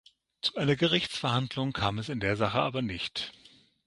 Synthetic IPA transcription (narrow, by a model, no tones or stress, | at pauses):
t͡suʔaɪnɐɡəʁ̞ɪçt͡sfɛɐhandlʊŋkʰaːmɛsɪndeːɐzaχəʔaːbɐnɪçt